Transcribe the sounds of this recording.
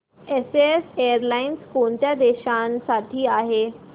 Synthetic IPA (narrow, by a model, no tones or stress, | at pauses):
eseesejəɾlainskoɳt̪jad̪eɕãnsaʈʰiːaɦe